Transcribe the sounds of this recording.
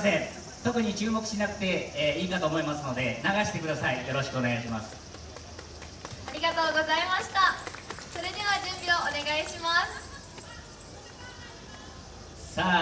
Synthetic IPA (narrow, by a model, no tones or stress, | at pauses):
sẽ | t̪o̞kɯ̟ɲ̟it͡ɕɨːmo̞kɯ̟̥ɕinakɯ̟̥t̪e̞ːiːkat̪o̞ːmo̞imasɨno̞d̪e̞naɡaɕi̥t̪e̞kɯ̟d̪asaijo̞ɾo̞ɕi̥kɯo̞ne̞ɡaɕ̬imasɨ̥ | aɾʲiɡat̪o̞ːɡo̞zaimaɕi̥t̪aso̞ɾe̞d̪e̞β̞ad͡ʑɨ̃mbʲioone̞ɡaiɕimasɨ̥ | sa